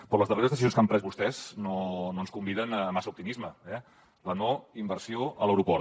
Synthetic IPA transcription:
pɾɔləzðəreɾəzðəsizionskampɾɛzβust̪ɛz̥nononskumbiðənəmasəup̚t̪imizməɛ | lənoimbəɾsioələwɾupɔɾ

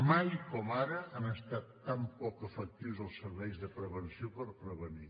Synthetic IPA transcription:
majkɔmaɾəanəst̪at̪ːampɔkəfək̚t̪iwzəlˠsːəɾβɛjzðəpɾəβənsiopəɾpɾəβəni

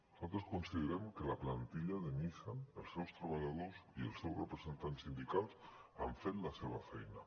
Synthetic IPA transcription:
nosalˠt̪ɾoskonsiðeɾɛmkelaplant̪iʎaðemisaḛlˠsɛwst̪ɾaβaʎað̞osiḛlˠsɛwrepɾezent̪ansind̪ikalˠsa̰ɱfet̪laseβ̞afɛjna̰

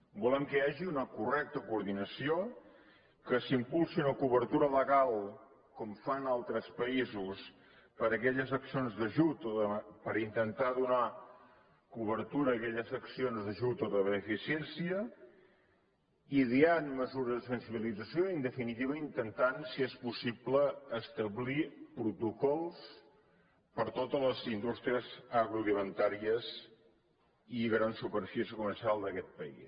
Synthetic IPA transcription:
bulɛmkəaʒiunəkurɛk̚t̪əkuːɾðinəsio | kəsimpulˠsiunəkuβəɾt̪uɾələɣalˠ | kɔmfanalˠt̪ɾəspəizus | pəɾəkɛʎəzəksionzðəʒut̪oðəpəɾint̪ənt̪aðuna | kuβ̞əɾt̪uɾəːkɛʎəzəksionzðəʒut̪oðəβənəfisiɛnsiə | iðianməzuɾəzðəsənsiβilid͡zəsjoind̪əfinit̪iβəint̪ənt̪ansiespusipləːst̪əβlipɾut̪ukɔlˠs | pəɾt̪ot̪ələzind̪ust̪ɾiəzaɣɾulimənt̪aɾiəz | iɣɾansupəɾfisiəkuməɾsialˠd̪əkɛt̪̚pəḭs

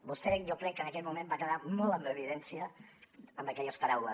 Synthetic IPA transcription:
bust̪ɛʒokɾɛkːənəkɛt̪̚mumembakəðamɔlˠəmewəβiðɛnsiə | əmbəkɛʎəspəɾawlə

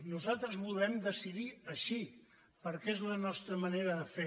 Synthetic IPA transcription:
nuzalˠt̪ɾəzβulˠɛmd̪əsiðiəʃi | pəɾkɛezlənɔst̪ɾəməneɾəðəfe

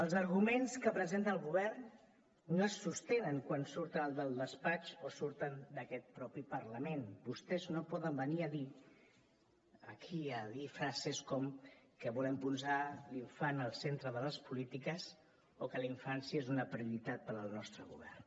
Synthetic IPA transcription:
əlˠzəɾɣumenskəpɾəzent̪ənəlˠɣuβɛrnː | oəsːust̪enəŋkwansuɾt̪ənəlˠd̪əlˠd̪əspat͡ʃosuɾt̪ənd̪əkɛt̪̚pɾɔpipəɾləmenbust̪ɛznopɔðəmbəniəði | əkʰiəðifɾazeskɔmkəβulɛmpunzaliɱfanəlˠsent̪ɾəðələspulit̪ikəs | okəliɱfansjəezunəpɾiuɾit̪at̪̚pəɾəlˠnɔst̪ɾəɣṵβɛ̰rn

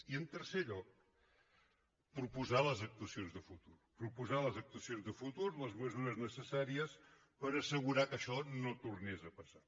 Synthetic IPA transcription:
iənt̪əɾseʎɔk̚ | pɾupuzaləzək̚t̪uəsionzðəfut̪urpɾupuzaləzək̚t̪uəsijonzðəfut̪uɾləzməzuɾəznəsəsaɾiəs | pəɾəsəɣ̞uɾakəʃɔnot̪urnezəpəsa

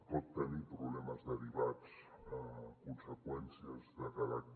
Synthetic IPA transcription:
pɔt̪ːənipɾuβlɛməzðəɾiβat͡səkunsəkwɛnsiəzðəkaða

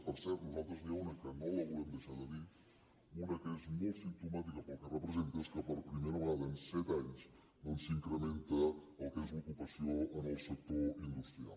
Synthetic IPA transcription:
pəɾsɛɾt̪nuzalˠt̪ɾəzniaunəkənoləβulɛmd̪əʃaðəði | unəkəezmolsimt̪umat̪ikəpəlˠkərəpɾəzent̪əskəpəɾpɾimejɾβad̪ənsɛt̪aɲs | nonsiŋkɾəment̪əːlˠkəezlukupəsioənəlˠsək̚t̪oind̪ust̪ɾia̰lˠ

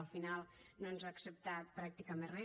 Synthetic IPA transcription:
əlˠfinalˠnoənzaːksəp̚t̪at̪̚pɾak̚t̪ikəmenrɛ

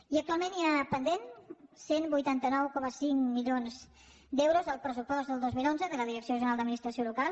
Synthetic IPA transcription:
iək̚t̪ualˠmẽniapənd̪ensenbujt̪ant̪ənɔwkɔməsiŋmiʎonz | d̪ewɾuzəlˠpɾəsupɔzðəlˠd̪ozmilonzəðələðiɾəksioʒəɾalˠd̪əd̪minist̪ɾəsiolukalˠ

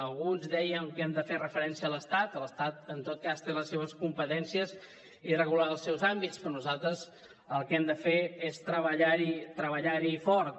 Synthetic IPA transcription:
əlˠɣunzdɛjəŋkɛmd̪əferəfəɾɛnsiələst̪at̪ələst̪at̪ənt̪ot̪̚kast̪eləseβəskumpət̪ɛnsiəz | irəɣulaəlˠsɛwzambitt͡sspɾɔnuzalˠt̪ɾəz | əlˠkɛmd̪əfeest̪ɾəβəʎaɾit̪ɾəβəʎaɾifɔɾt̪

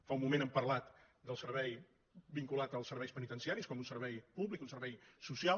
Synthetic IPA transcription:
faumːumenəmpəɾlat̪ | d̪əlˠsərβɛj | biŋkulat̪əlˠsəɾβɛjspənit̪ənsiaɾiskɔmunsəɾβɛjpuβlikunsəɾβɛjsusia

